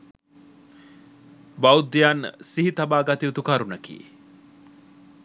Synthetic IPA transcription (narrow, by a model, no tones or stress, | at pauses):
bawd̪ijan̰ːsiɦit̪abaːɡat̪iut̪ukaɾunɐkḭː